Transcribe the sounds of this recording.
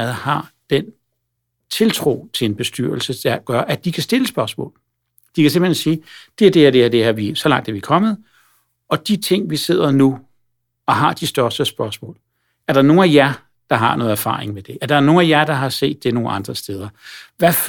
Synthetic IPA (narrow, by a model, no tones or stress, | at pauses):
ð̩ˠhɑ̈d̥en | t͡sʰe̝lt͡sʰʁo̝̰ːt͡sʰe̝lenb̥e̝sd̥yɐl̩səd̥ɑ̈ɡ̥ɶɐʔæd̥ikʰæsd̥e̝ləsb̥ɶɐsmɔ̰̽ːl | d̥ikʰæse̝mb̥hensiːd̥e̝æɐd̥ehæɐd̥eæɐd̥e̝hæʋisɒ̽lɑ̈ŋ̰d̥æɐʋikʰɒ̽mð̩ˠ | ɒ̽d̥it͡sʰe̝ŋ̰ʋise̝ð̞̰ˠɐnu | ɒ̽ɦɑ̈d̥isd̥ɶɐsd̥əsb̥ɶɐsmɔ̰̽ːl | æɐɾ̥ɑ̈no̝ːn̩æjɑ̈ɪ | d̥ɑ̈ɦɑ̈nɔ̽ːð̩ˠɐfɑ̰̈ːʁeŋmed̥e̝ʔæɐɾ̥ɑ̈no̝ːn̩æjɑ̈ɪd̥ɑ̈ɦɑ̈se̝̰ːd̥ːe̝no̝ːn̩ɑ̈nd̥ʁɐsd̥eːð̞ˠɐʋæf